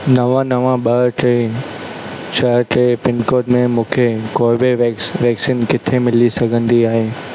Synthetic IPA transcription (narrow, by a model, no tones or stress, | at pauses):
nɐʋãnɐʋãɓɐɾʈe | ʃɐɾʈeːpɪnkoːʈmẽmũːkʰekoːbeʋɛːksiːnkɪt̪ʰemɪlisɐɡʱə̃nd̪iaːɦeː